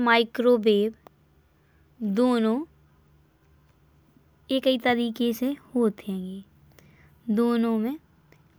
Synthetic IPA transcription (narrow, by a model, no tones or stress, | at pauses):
maːɪkɾoːbeːb | d̪oːnõ | eːkit̪əɾiːkesehoːt̪ɦɛ̃ːŋɡeː | d̪oːnõmẽ